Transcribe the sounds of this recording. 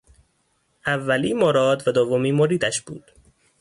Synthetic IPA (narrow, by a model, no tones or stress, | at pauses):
ʔævːæliːmoɾɒːd̪væd̪ovomiːmoɾiːd̪æʃb̥ṵːd̪̥